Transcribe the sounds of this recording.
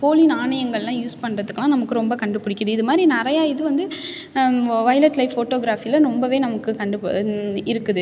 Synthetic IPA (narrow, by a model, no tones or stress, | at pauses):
poːlinaːɳɐjɐŋɡɐɭlãːjuːspɐɳɾɐðɯkːlãːnɐmɐkːɯɾɔmbɐkɐɳɖɯpɯɽɪkːɐðɯɪðɯmaːd̪ɾinɪɾɐjaːɪðɯʋɐnd̪ɯ | ʋɐjlɐʈlɐɪfːoːʈːoːɡɾaːfilɐɾɔmbɐʋeːnɐmɐkːɯkɐɳɖɯɪɾɯkːɯðɯ